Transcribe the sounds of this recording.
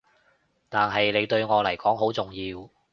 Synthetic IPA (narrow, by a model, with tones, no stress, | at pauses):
t̪aː˨nɦɐ˨jle˨˧jt̪ɵ˧ɥŋɔː˨˧lɐ˨˩jkɔː˨˥ŋɦo˨˥wt͡sʊ˨ŋjiː˧w